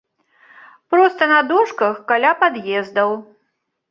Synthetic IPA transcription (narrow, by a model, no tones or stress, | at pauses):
pɾɔst̪ɐnɐd̪ɔʂkɐxkalʲapad̪jɛzd̪ɐw